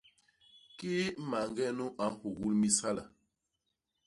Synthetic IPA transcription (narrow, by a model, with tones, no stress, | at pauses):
ki˦ma˨ŋɡɛ˦nu˦ʔa˨˦hu˨ɣu˦lmi˦sa˦la˨